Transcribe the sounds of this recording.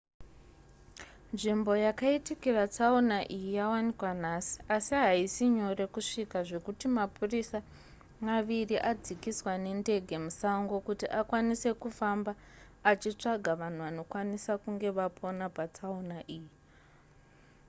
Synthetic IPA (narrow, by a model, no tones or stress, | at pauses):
nʐimbo̞jakaitikirat͡saunaʔijijawanikwan̤asi̥ʔasiɦaisiɲo̞re̞kuʂikaʐe̞kutimapʰurisa | maʋiriʔad͡zikiswane̞nde̞ɡʱe̞musaŋɡo̞kutiʔakwanise̞kufambaː | t͡ʃit͡ʂaɡʱaʋan̤uʋano̞kwanisakuŋɡe̞ʋapʰo̞napat͡saunaʔiːji